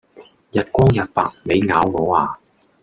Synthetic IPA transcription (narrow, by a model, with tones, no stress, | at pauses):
jɐ˨t̚kʷɔː˥ŋjɐ˨t̚pa̰ː˨k̚me˨˧jŋaː˨˥wŋɔː˨˥waː˨˩